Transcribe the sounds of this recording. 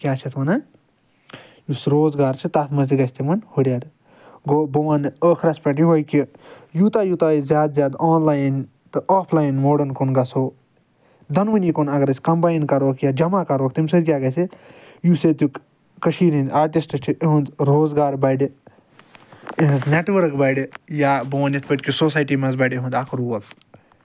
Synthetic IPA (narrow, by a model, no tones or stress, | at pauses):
kʲaːt͡ʃʰɐt̪ʰʋɐna | jusɾoːzɡaːɾt͡ʃʰit̪at̪mɐziɡɐsʲt̪imɐnhuɽʲjaːɽ | ɡoːbɐʋanəːkʰɾɐspɐʈ̬jiɦojkijut̪ajut̪aizʲjaːd̪zjaːd̪aːnlaːjn | t̪ɨʔaːpʰlaːjnmoːɖɐnkonɡɐsoː | d̪ɐnʋɐnʲikonɐɡɐɾɐsʲkɐmbaːjnkɐɾoːkʰjad͡ʒɐmakɐɾoːk̚t̪imʲsɨd̪kʲjaːɡɐse | juset̪uk | kəʃiːɾĩnd̪aːɾʈisʈɐʈʰiʔɦũnd̪ɾoːzɡaːɾbɐɖ | iɦɐzneʈʋəɾkbɐɖjaːbɐʋɐnit̪ʰpɐʈʲkʲisoːsaːjʈiːmɐzbɐɖiɦũnd̪aːkʰɾuʋɐk